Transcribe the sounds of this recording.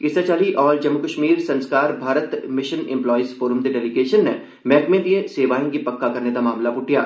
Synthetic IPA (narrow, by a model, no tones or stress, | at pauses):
kɪset͡ʃaːliʔɔːɾd͡ʒɐmːukəʃmiːɾsɐ̃nskaːɾbʱaːɾət̪mɪʃənɪ̰̃mplɔːisfoːɾəmd̪eɖɛːlɪɡeːʃənːe | mɛːkmẽd̪ieseːʋaːĩkipɐkːakɐɾned̪amaːmlapʊʈʰija̰ː